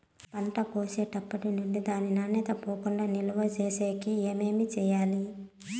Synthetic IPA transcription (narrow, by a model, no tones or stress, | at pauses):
pɐɳʈɐpoːseːʈɐpːɐʈinund̪id̪aːninɐnet̪ɐpoːkuɳɖaːniluʋɐt͡ʃeːseːkieːme̞ːmit͡ʃɛːjaːli